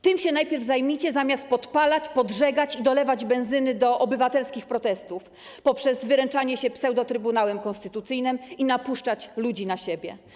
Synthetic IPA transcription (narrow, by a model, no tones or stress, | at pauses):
t̪ɘmɕɛnajpʲjɛɾvzajmʲit͡ɕɛzamʲjast̪̚pɔt̪palat͡ɕpɔdʐɛɡat͡ɕid̪ɔlɛvad͡ʑbɛ̃ñzɘnɘd̪ɔʔɔbɘvat̪ɛlskʲixpɾɔt̪ɛst̪uf | pɔpʂɛzvɘɾɛnt͡ʂaɲɛɕɛpsɛwd̪ɔt̪ɾɘbunawɛmkɔ̃nst̪ɘt̪ut̪sɘjnɘminapuʂt͡ʂat͡ɕlud͡ʑinaɕebʲjɛ̰